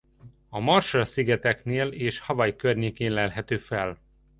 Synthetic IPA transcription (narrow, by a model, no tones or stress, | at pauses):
ɒmɒrʃɒsiɡɛt̪ɛkneːleːʃhɒvɒjikørɲeːkeːnlɛlɦɛt̪øːfɛl